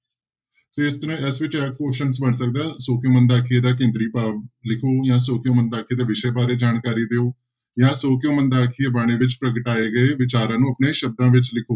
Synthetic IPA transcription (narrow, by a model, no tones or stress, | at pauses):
t̪eːɪst̪əɾãːʔɛsʋɪt͡ʃɛːkkoːʃənsbəɳsək̚d̪aːsoːkjoːmənd̪aːkʰɪeːd̪aːk̬ẽːnd̪ɾiːpaːlɪkʰoːjãːsoːkjõːmənd̪aːkʰieːd̪eːʋɪʃeːbaːɾeːd͡ʒaːnkaːɾiːd̪eoː | jãːsoːkjõːmənd̪aːkʰɪeːbaːɽ̃eːʋɪt͡ʃpɾəɡəʈaːeːɡəeːʋɪt͡ʃaːɾãːnũːəpneːʃəb̚d̪ãːʋɪt͡ʃlɪkʰoː